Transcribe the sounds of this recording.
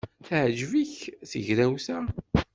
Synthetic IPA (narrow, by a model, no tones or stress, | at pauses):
θʕʒviçθə̰ʝɾæwθæ